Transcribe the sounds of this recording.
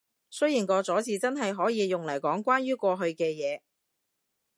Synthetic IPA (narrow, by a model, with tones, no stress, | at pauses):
sɵ˥ɥjiː˨˩nkɔː˧t͡sɔː˨˥t͡sʰiː˨˧t͡sɐ˥nɦɐ˨jɦɔː˨˥jiː˨˧jʊ˨ŋlɐ˨˩jkɔː˨˥ŋkʷaː˥nɥyː˥kʷɔː˧ɦɵ˧ɥkɛː˧jɛː˨˧